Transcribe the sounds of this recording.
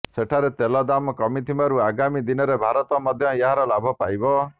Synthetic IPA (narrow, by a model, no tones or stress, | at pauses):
seʈʰaɾet̪elɔd̪amɔkɔmit̪ʰimaɾuaɡamid̪inɔɾebʱaɾɔt̪ɔmɔd̪ʱjɔjeɦaɾɔlabʱɔpajbɔ